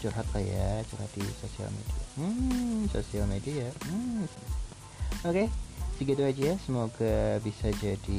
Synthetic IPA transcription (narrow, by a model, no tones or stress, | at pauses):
t͡ʃuɾɦat̪̚laja̰t͡ʃuɾha̰t̪̚disosia̰lmḛdia̰m̩sosialmediam̩s | oket̪iɡad̪uad͡ʒijasəmoɡabisad͡ʒadi